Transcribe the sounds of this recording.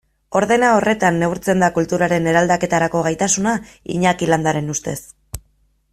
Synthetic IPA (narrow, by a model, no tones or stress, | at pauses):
o̞ɾðe̞nao̞re̞t̪anːe̞wɾt͡se̞nd̪akult̪uɾaɾe̞ne̞ɾald̪ake̞t̪aɾako̞ɣ̞ajt̪asuna | ḭɲakiland̪aɾe̞nust̪e̞s